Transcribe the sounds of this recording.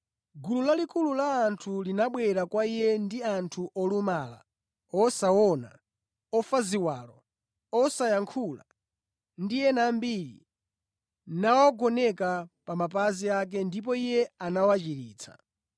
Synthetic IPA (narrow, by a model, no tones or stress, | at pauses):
ɡululalikululaːntʰulinaɓwɛɾakwaijɛndiantʰuʔɔlumaːla̰ | ɔsawɔna̰ | ɔfaziwaːlɔ | ɔsajaŋkʰula̰ | ndijɛnambiɾḭ | nawɔɡɔnɛkapamap̬aziak̬ɛndip̬ɔijɛanawat͡ʃiɾiːt͡sʰḁ̰